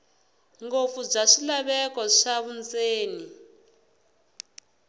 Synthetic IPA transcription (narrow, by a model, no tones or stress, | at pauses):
ŋɡofub͡ʐaʂilaβɛkɔʂaβunt͡seːni